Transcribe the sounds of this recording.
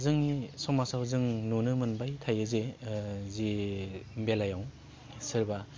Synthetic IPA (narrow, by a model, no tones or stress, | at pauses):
zɯŋnisɔmasawzɯŋnunɯmɯnbajtʰajɯzezimbelajaw | sɯɾba